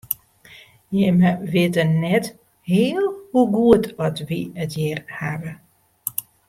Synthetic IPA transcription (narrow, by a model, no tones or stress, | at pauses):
jɛməʋɪtənɛt | hɪːlˠhuɡuətʰɔtʋiətjɛːrhaʋə